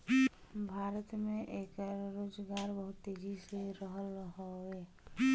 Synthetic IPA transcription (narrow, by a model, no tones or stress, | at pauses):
bʱaːɾət̪mẽʔeːkɾoːd͡ʒɡaːɾbəɦʊt̪ːeːɡʱiseɾəɦəlɦoeː